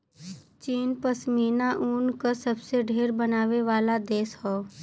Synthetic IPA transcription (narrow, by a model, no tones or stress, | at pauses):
t͡ʃiːnpəsmiːnaʔuːnkasəbseɖʱeːɾbənaːʋeʋaːlad̪eːsɦoː